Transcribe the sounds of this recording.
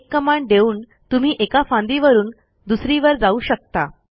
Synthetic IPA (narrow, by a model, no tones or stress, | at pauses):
kːəmaɳɖ̪euːn | t̪um̤iːʔekafãnd̪iʋəɾuːn | d̪usɾiʋəɾd͡zauːɕək̚t̪a